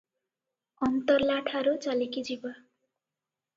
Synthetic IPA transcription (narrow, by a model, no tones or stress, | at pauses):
ɔnt̪ɔɾlaʈʰaɾut͡ʃalikid͡ʒiba